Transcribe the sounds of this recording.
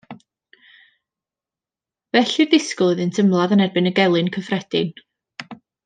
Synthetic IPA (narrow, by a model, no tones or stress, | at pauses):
vɛɬirðɪskʊlˠɨðɨntʰəmlˠaðənɛrbɨnəɡɛlˠɨnkʰəfrɛd̥ɪn